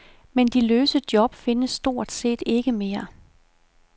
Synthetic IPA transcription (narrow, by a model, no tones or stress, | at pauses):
mend̥iløːsəd̥jɒ̽b̥fe̝nəsːd̥o̝ɐ̰d̥se̝̰ːd̥e̝ɡ̥əme̝ːɐ